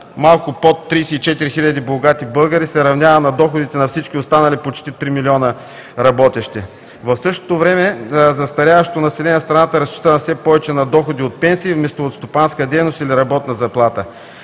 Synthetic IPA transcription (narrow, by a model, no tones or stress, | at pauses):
malˠkʊpot̪ːɾijsɛit͡ʃɛt̪iɾixilʲɐd̪iboɡat̪ibɤlˠɡəɾisɛɾɐvnʲavənɐd̪ɔxod̪it̪ɛnɐfsit͡ʃk̟ʲiost̪anɐlipot͡ʃt̪it̪ɾimilʲiɔnə | ɾɐbɔt̪ɛʃt̪ɛ | vɐfsɤʃt̪o̥t̪ovɾɛmɛzɐst̪ɐɾʲavɐʃt̪ot̪onɐsɛlɛnʲɛst̪ɾɐnat̪əɾɐst͡ʃi̥t̪ənɐfsɛpɔvɛt͡ʃɛnɐd̪ɔxod̪iot̪̚pɛnsiːvmɛst̪oot̪st̪opanskəd̪ɛjnost̪iliɾɐbɔt̪nɐzɐplˠat̪ə